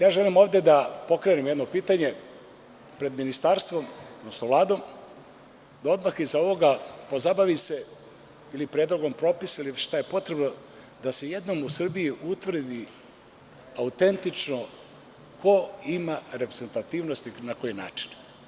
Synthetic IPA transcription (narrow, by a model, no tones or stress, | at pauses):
jaːʒe̞limo̞ːvd̪e̞d̪apo̞kɾenemjed̪no̞piːt̪aɲe̞ | pɾe̞d̪minist̪aːɾst̪ʋo̞mod̪no̞snoʋlˠaːd̪o̞m | d̪ao̞d̪maxizao̞ʋo̞ɡapo̞zabaʋise | ilipɾeːd̪lˠoɡo̞mpɾo̞pisailiʃt̪aje̞po̞t̪ɾe̞bno̞ | d̪ase̞jed̪no̞musr̩bijiʔut̪ʋr̩d̪i | aut̪e̞nt̪it͡ʃno | kʰo̞imaɾepɾeze̞nt̪at̪iːʋno̞st̪inako̞jina̰ːt͡ʃi̥n